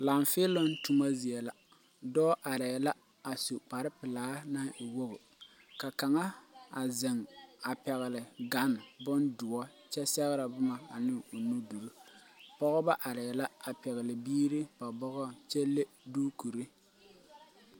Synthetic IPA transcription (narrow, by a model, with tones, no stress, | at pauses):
la˨ɱfɪ˦lo˦n˦tu˦ma˦zi˨ɛ˨la˨ | dɔː˦ʔa˨ɾɛː˨la˦ | a˨su˨k͡pa˨ɾɪ˦pɪ˨laː˨˦na˦ʔɪ˨wo˦ɣʊ˨ | ka˨ka˨ŋa˦a˨zɪ˨ŋa˨pɛ˨ɣɪ˨lɪ˨ɡa˨˦n˨bʊ˦ndʊ˨ɔ˦t͡ʃɛ˦sɛ˦ɣɪ˦ɾa˨bʊ˦ma˨a˨nɪ˦o˨nu˦du˨ɾu˦ | pɔ˦ɣɔ˦ba˦ʔa˨ɾɛː˨la˦a˨pɛ˨ɣɪ˨lɪ˨biː˦ɾɪ˦ba˨bɔ˦ɣɔ˦t͡ʃɛ˦le˦ | duː˦ku˨ɾi˦